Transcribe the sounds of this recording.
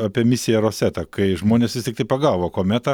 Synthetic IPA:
ɑːpʲiɛmʲɪsʲɪjɛɾoːsʲæt̪ɐkɐɪʒmoːnʲeːsʋʲɪst̪ʲɪk̚t̪ɐɪpɐɡɑːʋoːkoːmʲæt̪ɐ

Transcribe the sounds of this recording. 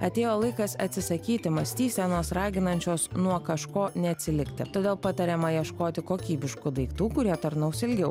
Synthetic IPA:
ɐt̪ʲeːjoːlˠɐɪkɐsɐ̰t̪ʲsʲɪsɐkʲiːt̪ʲɪmɐsʲt̪ʲiːsʲɛnoːsɾɑːɡʲɪnɐnʲt͡ʃʲoːsnuɔkɐʃkoːnʲɛɐt̪ʲsʲɪlʲɪkt̪ʲɪ̰t̪oːd̪ʲeːlˠpɑt̪ɐɾʲemɐjiɛʃkoːt̪ʲɪkoːkʲiːbʲɪʃkʊd̪ɐɪkt̪uːkʊɾʲiɛt̪ɐɾnɐʊsɪlʲɡʲɛʊ

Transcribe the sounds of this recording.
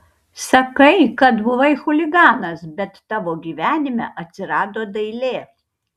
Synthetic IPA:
sɐkɐɪkɐt̪bʊʋɐɪxʊlʲɪɡɑːnɐsbʲɛt̪ːɑːʋoːɡʲiːʋʲæːnʲɪmʲɛʔɐt̪ʲsʲɪɾɑːd̪oːd̪ɐɪlʲeː

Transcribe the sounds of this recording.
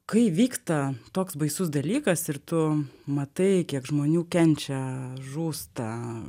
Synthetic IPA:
kɐɪʋʲiːkst̪ɐt̪oːksbɐɪsʊs̬d̪ɐlʲiːkɐsɪɾt̪ʊmɐt̪ɐɪkʲiɛkʒmoːnʲuːkʲɛnʲt͡ʃʲɛʒuːst̪ɐ

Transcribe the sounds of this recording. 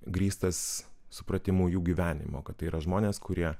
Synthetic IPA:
ɡɾʲiːst̪ɐssʊpɾɐt̪ʲɪmuːjuːɡʲiːʋʲæːnʲɪ̰moːkɐt̪ːɐɪiːɾɐʒmoːnʲeːskʊɾʲiɛ

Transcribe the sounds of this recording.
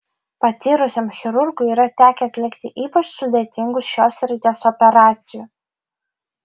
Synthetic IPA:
pɐt̪ʲiːɾʊsʲɛmxʲɪɾʊɾɡʊiːɾɐt̪ʲæːkʲɛɐt̪ʲlʲɪkt̪ʲɪʔiːpɐt͡ʃsʊd̪ʲet̪ʲɪŋɡʊsʃoːsɾʲɪt̪ʲeːsɔpʲɛɾɑːt̪sʲɪju

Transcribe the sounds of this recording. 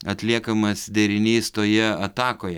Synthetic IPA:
ɐt̪ʲlʲiɛkɐmɐsd̪ʲɛɾʲɪnʲiːst̪oːjɛɐt̪ɑːkoːjɛ

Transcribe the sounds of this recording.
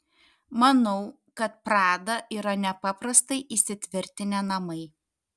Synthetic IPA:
mɐnɐʊ | kɐt̪̚pɾɑːd̪ɐʔiːɾɐnʲɛpɐpɾɐst̪ɐɪʔisʲɪt̪ʲʋʲɪɾʲt̪ʲɪnʲɛnɐmɐɪ

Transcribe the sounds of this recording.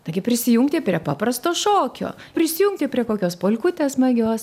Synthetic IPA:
t̪ɐɡʲɪpʲɾʲɪsʲɪjuŋk̚t̪ʲeːpʲɾʲiɛpɑːpɾɐst̪oːʃoːkʲo̰ː | pʲɾʲɪsʲɪjuŋkt̪ʲeːpʲɾʲiɛkoːkʲoːspoːlʲkʊt̪ʲeːsmɐɡʲoːs

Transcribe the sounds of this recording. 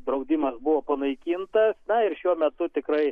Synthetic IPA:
d̪ɾɐʊd̪ʲimɐsbʊʋoːpɐnɐɪkʲiːnt̪ɐsnɐɪɾʃʲuɔmʲɛt̪ʊt̪ʲɪkɾɐɪ

